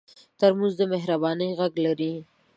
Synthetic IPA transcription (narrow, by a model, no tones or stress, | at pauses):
t̪aɾmʊzd̪əmeɦɾabɑnəjɣaɡlaɾi